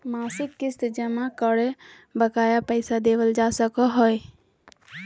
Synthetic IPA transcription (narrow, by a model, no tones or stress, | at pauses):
maːsɪkːɪst̪d͡ʒəmakəɽe | bəkaːjapəɪsad̪eʋəld͡ʒasəkɔɦɔj